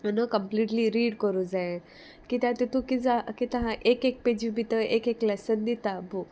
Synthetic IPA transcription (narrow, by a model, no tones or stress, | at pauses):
ənəkəmpliːʈliɾiːɖkəɾud͡zae | kit̪ãt̪et̪ũkid͡zakit̪ɐɦãʔekek̚ped͡ʑubʱit̪əekeklɛsənd̪it̪abu